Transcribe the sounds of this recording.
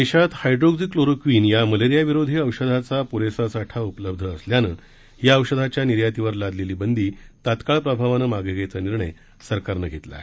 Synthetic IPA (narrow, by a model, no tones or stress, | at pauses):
eɕat̪hajɖɾoɡd͡zikloɾokʋiːnjaməleɾijaʋiɾod̪ʱeəwɕəd̪ʱat͡sapuɾesasaʈʰaupləb̚d̪ʱəːsljanəː | ɦjaəwɕəd̪ʱat͡ɕjaniɾjat̪iʋəɾlad̪leliːbənd̪iːt̪at̪kaɭpɾəbʱaʋanəmaɡəɡet͡saniɾɳəj | səɾkaɾnəɡʱet̪la̰